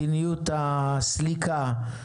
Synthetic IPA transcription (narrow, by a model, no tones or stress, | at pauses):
iniut̪aslika